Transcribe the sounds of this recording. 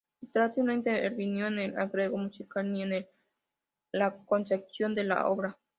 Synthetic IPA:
et̪ɾat̪junãjnt̪eeɾβinjonela̰ɣɾeɣomut͡ʃikanjonel | lakont͡ʃek̚sjond̪ela̰o̰βɾa

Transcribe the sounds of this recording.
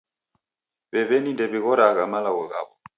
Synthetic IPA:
βɛβɛnindɛβiɣɔɾaɣamalaɣɔɣa̰βɔ

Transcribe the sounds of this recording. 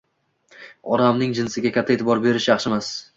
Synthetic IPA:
ɒɾamnɪŋd͡ʒɪnsɪɡʲakʲʰat̪ʰːaeːt̪ʰɪbɒɾbe̞ɾɪʃjɑχʃɪmas

